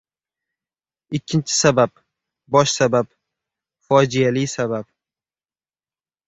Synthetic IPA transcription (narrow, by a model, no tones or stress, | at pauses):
ɪkʲʰːɪnt͡ʃʰɪ̥sabap̚ | bɒʃsabap | fɒd͡ʒijalisabap̚